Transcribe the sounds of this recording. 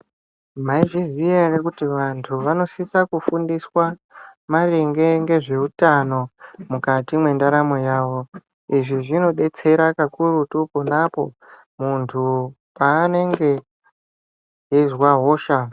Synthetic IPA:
maiʐizijerekutiʋantʰuʋano̞sisakufundiswamaɾeŋɡe̞ŋɡe̞ʐe̞utano̞mukatimwe̞ndaɾamojaːʋo̞ | iʐiʐino̞ɗe̞t͡se̞ɾakakurutuponapo̞̰ | muntʰu | paːne̞ŋɡe̞ | ɦizwaɦoːʃa

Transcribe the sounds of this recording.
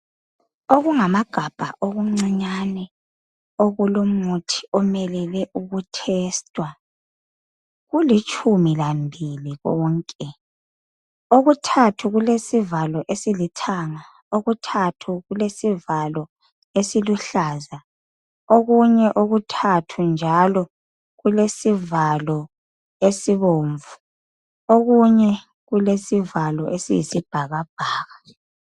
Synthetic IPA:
oɣuŋamaɡ̥ʱab̥ʱa̰ʔoɣuŋ͡ǀiɲanɛ | oɣulumutʰi̥ɔmɛlɛlɛʔuɣutʰɛːstʼwa | ɣulit͡ʃʼʰumilambʱiliɣɔːŋkʼɛ | oɣutʰatʰuɣulesivalɔʔesilitʰaŋa | oɣutʰatʰuɣulesivalɔ | esiluɬaːza | oɣuɲɛʔoɣutʰatʰund͡ʒʱalɔ | ɣulesivalɔ | esiβoːɱvu | oɣuɲɛ | ɣulesivalɔʔesḭjisib̥ʱaɣab̥ʱaːɣa

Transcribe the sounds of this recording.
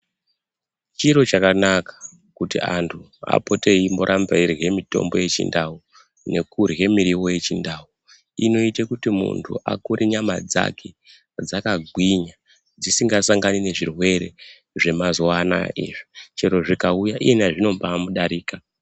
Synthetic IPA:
t͡ʃiɾo̞t͡ʃakanakḁ | kutḭʔantʰu | a̰po̞te̞imbo̞ɾʔambeirɣe̞mito̞̰mbo̞̰je̞t͡ʃḭndau | ne̞kurɣe̞miɾiwo̞je̞t͡ʃindau | ino̞itekutimṵntʰṵʔakuɾiɲama̰d͡za̰kʰe | d͡zakaɡʱwiɲa | d͡zisiŋɡasaŋɡanine̞ʐirwe̞ɾe̞ | ʐe̞mazwana̰ḛʐit͡ʃiɾo̞ʐikaujaʔienaʐino̞mpaːmuɗaɾiːka

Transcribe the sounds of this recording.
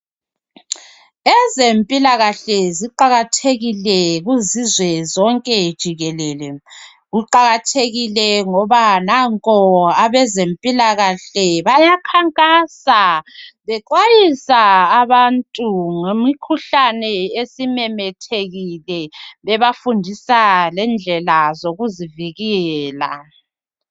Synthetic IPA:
ɛzempʼilaɣaɬɛziǃaɣatʰeɣilɛɣuzizwɛzɔŋkʼɛd̥ʒ̥ʱiɣɛlɛlɛ | ɣuǃaɣatʰeɣilɛŋɔβanaŋkʼɔaβɛzempʼilaɣaɬɛβajakʰaŋkʼaːsaβɛǃwajisaːβantʼuŋemikʰuɬanɛesimɛmɛtʰeɣilɛβɛβafundʱisalɛnd͡ɮʱɛlazoɣuziviɣɛɛːla̰

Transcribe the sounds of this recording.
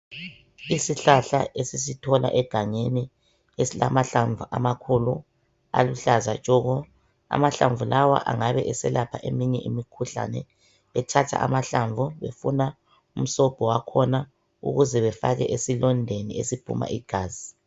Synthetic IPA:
isiɬaɬaʔesisitʰɔla̰ʔɛɡ̥ʱaŋeni | esila̰maɬaɱvʱuʔa̰makʰulu | a̰luɬaza̰t͡ʃʼɔɣɔ | a̰maɬaɱvulawa̰ʔaŋaβɛʔɛsɛlapʰaʔemiɲɛʔimikʰuɬa̰nɛ̰ | βɛtʰatʰa̰ʔamaɬaɱvuβefuna | um̩sɔb̥ʱɔwakʰɔna | ṵɣuzɛβɛfaɣɛʔesilɔndʱenḭesipʰṵma̰ʔiɡ̥ʱaːzi

